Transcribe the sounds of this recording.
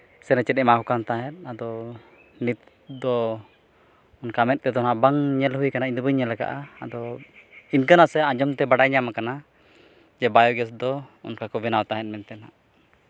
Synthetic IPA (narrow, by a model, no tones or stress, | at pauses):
sɛnat͡ʃɛt̪̚nɛʔmakɔkant̪aɦɛt̪̚ad̪ɔ | nit̪̚ | d̪ɔ | ɔnkamɛt̪̚ˀt̪ɛd̪ɔnabaŋɲɛlhujkanaiɲd̪ubəɲɛlaka̰ʔaa̰d̪ɔ | inkanasɛad͡ʒɔmt̪ɛbaɽajɲamakana | d͡ʒɛbajɔɡɛs̬d̪ɔɔ̰nkakɔbɛnawat̪aɦɛt̪̚ˀmɛnt̪ɛnaʔ